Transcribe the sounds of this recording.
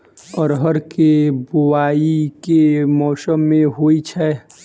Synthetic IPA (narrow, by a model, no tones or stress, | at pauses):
ɔːɾɦəɾkebʊwaːikemɔːsəmːẽɦoːit͡ʃʰɛ